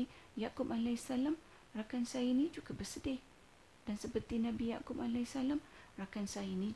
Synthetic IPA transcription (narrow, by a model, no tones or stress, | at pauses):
ijakʊp̚alasalam | rakansainĩd͡ʒuɡabərsədɪh | d̥ansəpərt̪inãbija̰kʊp̚alasalamrakansainĩ